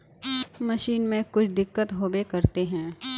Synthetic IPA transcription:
mɐʃiːnmẽkʊt͡ʃʰd̪ɪkːət̪ɦoːbekɐɾt̪eɦɛ̃ː

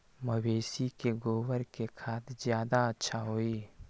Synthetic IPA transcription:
məʋeːsikeɡoːwəɾkekʰaːt̪zjaːd̪aətːʃʰaɦoːiː

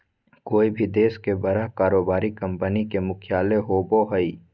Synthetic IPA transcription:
koːibʱid̪eːskebɐɾaɦkaːɾoːbaːɾikɐ̃mpənikemʊkʰjaːleɦoːboɦəiː

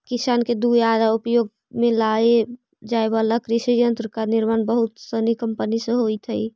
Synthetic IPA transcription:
kisanked̪uad̪aupjoɡ | mẽlae | d͡ʒaebalakɾisijənt̪ɾkaniɾmaːnbəɦut̪sənikəmpənisə̃ɦojt̪ʰəi

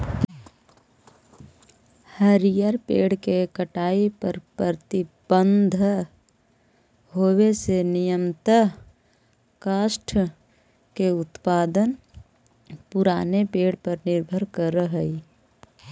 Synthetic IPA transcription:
həɾijəɾpeːɽkekəʈaːipəɾpɾəət̪ɪbənd̪ʱ | ɦoːwesenɪjəmt̪ə | kaːʃʈʰ | keʊt̪paːd̪ən | pʊɾaːnepeːɽpəɾnɪɾbʱəɾkəɾəɦəi

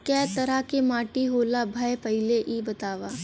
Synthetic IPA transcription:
kɛːt̪ɐɾakemaːʈiɦoːlabʱajpɐɦɪleʔibɐt̪aːʋaː

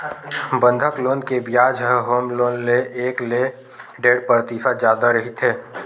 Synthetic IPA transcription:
bə̃nd̪ʱəkloːnkebjaːd͡ʒəɦoːmloːnleʔeːkle | ɖeːɖpəɾt̪isad͡ʒjaːd̪aɾəɦit̪ʰeː

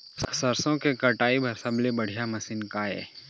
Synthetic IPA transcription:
ssəɾsõkekɐʈaːibʱɐɾsəblebɐɽ̤ʱijamɐsɪnkaɦɛ̰ː

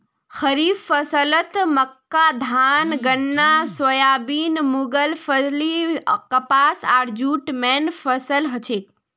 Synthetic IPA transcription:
xəɾiːffəsələt̪məkːad̪ʱaːnɡənːaswəjaːbiːnmuɡəlfəzlikəpaːsaːɾd͡ʒuːʈmɛːnfəsəlɦət͡ʃʰeːk̚

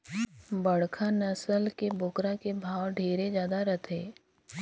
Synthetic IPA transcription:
bəɽkʰanəsəlkebʊkɾakebʱaːwɖʱeːɾed͡ʒjaːd̪aɾɐt̪ʰeː

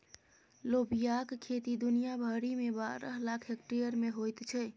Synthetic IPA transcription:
lobijakkʰːet̪id̪unijabʱəɽimebaɾəɦlakʰek̚ʈɾijəɾmeɦojt̪t͡ʃʰɛ

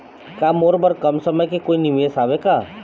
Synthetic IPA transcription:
kaːmoːɾbɐɾkɐmsəməjkekoːinimiesaːʋekaː

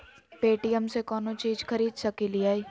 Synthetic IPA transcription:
peːʈijəmsekɔːnot͡ʃiːd͡ʒxʰɐɾiːd̪sɐkiliaːiː

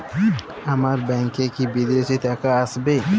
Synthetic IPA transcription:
ɐmaɾbɛŋkekibid̪esit̪akaəsbe

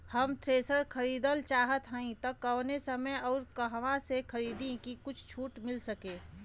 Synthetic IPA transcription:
hɐmt̪ʰɾeːsəɾkʰəɾiːd̪əlt͡ʃaːɦət̪ɦə̃ĩt̪ɐkɐʋnesəməjɔːɾkɐɦʋãsekʰəɾiːd̪ẽkikʊt͡ʃʰt͡ʃʰuːʈmɪlsəkẽː

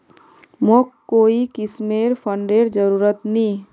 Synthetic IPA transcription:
mokoːikɪsmeːɾpʰəɳɖeɾd͡ʒəɾuːɾət̪nĩ

